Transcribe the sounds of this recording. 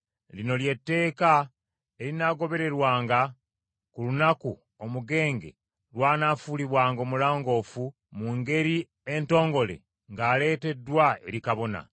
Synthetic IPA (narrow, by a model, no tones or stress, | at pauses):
lino̞lje̞tːe̞ːka | e̞ɾinaɡo̞βe̞ɾe̞ɾwaːŋɡa | kulunaku | o̞muɡe̞ːŋɡe̞̰ | lwaːnaːfuliβwaːŋɡo̞ːmulaːŋɡo̞ːfu | muŋɡe̞ɾi | e̞nto̞ːŋɡo̞le̞̰ | ŋɡaːle̞ːte̞dːwae̞̰ɾikaβo̞na̰